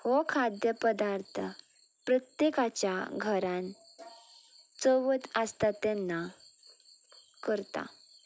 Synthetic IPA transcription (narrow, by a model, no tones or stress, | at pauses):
hokʰad̪jəpəd̪aɾt̪ʰə | pɾət̪jekat͡ɕjaɡʱəɾãn | t͡səʋət̪əst̪at̪ɛnːa | kəɾt̪a̰